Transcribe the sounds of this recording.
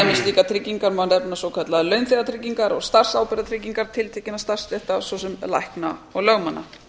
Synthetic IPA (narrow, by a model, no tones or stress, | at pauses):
jmɪst̪liːkat̪ʰɾɪcːiŋkaɾmanɛpnasowkʰœt̪laðlœɥnθeɣat̪ʰɾɪcːiŋkaɾɔɣst̪ar̥saːwpɛɾðat̪ʰɾɪc̬ːiŋkaɾ̥t̪ʰɪlt̪ʰɛːcɪnast̪ar̥st̪ɛht̪asvɔsɛmla̰jhknaɔɣlœɣmanːa̰